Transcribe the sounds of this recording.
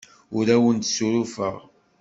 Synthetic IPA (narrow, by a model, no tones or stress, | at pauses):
ʊɾæwənt̪suɾufə̰ʁ